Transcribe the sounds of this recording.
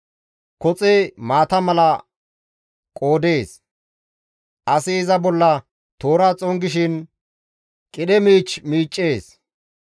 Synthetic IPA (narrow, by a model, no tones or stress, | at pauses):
kɔt͡sʼemaːt̪ɐmɐlɐ | kʼo̞ːd̪e̞ːs | ʔɐsɪɪzɐbɔlːɐ | t̪o̞ːɾat͡sʼɔŋɡɪʃ̬ɪn | kʼɪɗɛmiːt͡ʃmiːt͡ʃʼːe̞ːs